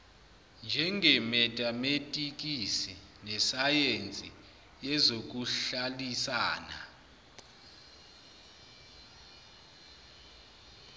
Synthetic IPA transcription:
nd͡ʒʱɛŋɛmɛtʼametʼik̬ʼisi | nɛsajent͡sʼi | jɛzok̬uɬalisaːna̰

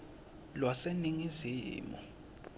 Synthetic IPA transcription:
lwaseniŋiziːmɔ̰

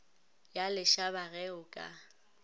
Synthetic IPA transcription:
jalɪʃabaɣɛʊkʼa̰

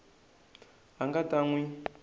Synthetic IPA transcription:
ɦaŋɡataŋwi

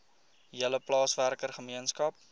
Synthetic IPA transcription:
iələplɑːsværkərχəmiənskɐp̚

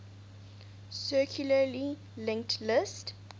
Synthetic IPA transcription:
sɜkʰjuləli | lɪ̃ŋk̚tʰlɪst

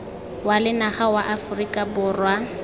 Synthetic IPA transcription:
walɪnaχawaʔafʊrikʼabʊːrwa

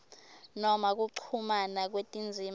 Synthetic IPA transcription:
nɔmak̬uǀʰumanak̬wetʼind͡zʱim

